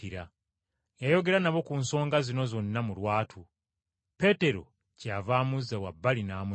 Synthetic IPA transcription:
iɾa | jajo̞ɡe̞ɾanaβo̞kunso̞ːŋɡazino̞zo̞nːamulwaːtʰu | pe̞te̞ɾo̞̰ | cavaːmuzːawabːalinaːmu

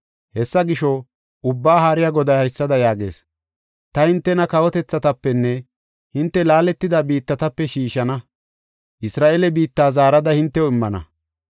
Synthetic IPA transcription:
hɛsːɐɡɪʃɔ | ʔʊbːaːɦaːɾɪjaɡɔd̪ɐjhɐjsːɐd̪ɐjaːɡe̞̰ːs | t̪ɐhɪnt̪ːɛnɐkɐwɔt̪ɛt͡sːɐt̪ɐpːɛnːɛ | hɪnt̪ːɛlaːlɛt̪ːɪd̪ɐbiːt̪ːɐt̪ɐpːɛʃiːʃɐnɐ | ʔɪsɾaːʔelɛbiːt̪ːaːzaːɾɐd̪ɐhɪnt̪ːɛwɪmːɐnɐ̰

